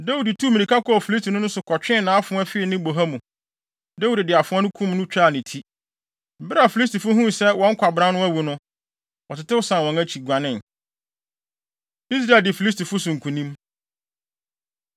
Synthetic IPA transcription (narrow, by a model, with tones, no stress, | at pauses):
da˦wu˨di˨tʰu˦˨mĩ˨nĩ˨kʰa˦kʰɔ˦˨fi˨li˦s̬tʰi˨nʊ̃˦nʊ̃˦sʊ˨kʰɔ˨t͡ɕᶣɪ̃˦˨nã˨˦a˦fʊ̃˦ɛ˦fɪ˦˨nɪ̃˦bo˨ɦa˦mũ˨ | da˦wu˨ddɪ˨a˨fʊ̃˦ɔ˦nʊ̃˦kʰũ˦mnʊ̃˦t͡ɕᶣa˦˨nɪ̃˨tʰi˦ | m̩˨bɪ˦ɾa˨fi˨li˦s̬ti˨fʊ˦ɦũ˦sɛ˦wɔ̃˦ŋ̩˦kʷʰa˨bɾã˦nʊ̃˦æ˦wu˨nʊ̃˦ | wɔ˨tʰɪ˨tɪ˦ʊ˦sã˨wɔ̃˨ŋæ˦t͡ɕʰi˨ɡʷa˨nɪ̃˦˨n | i˦s̬ɾaː˨ldɪ˨fi˨li˦s̬ti˨fʊ˦sʊ̃˨ŋ̩˨kʰũ˨nĩ˦m